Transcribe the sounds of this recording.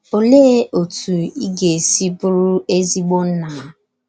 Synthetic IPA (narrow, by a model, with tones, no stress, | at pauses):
o˨le˦o˨tu˨i˦ɡe˨si˦pʊ˦ɾʊ˦e˦zi˦ɡ͡bo˦n̩˦na˨˦